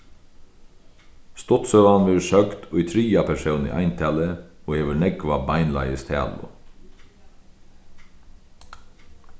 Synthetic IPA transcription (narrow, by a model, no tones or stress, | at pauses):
st̪ɔt̪søʋɑnʋɪɾʃœɡd̪̥oːiːt̪ʰɾiːɑpʰæʃɛʊnḭːʔæ̰ɪnt̪ʰæːləoːeːʋɪlnɛɡʋɑːbɑɪnlɑ̰ɪəst̪ʰæ̰ːlʊ̰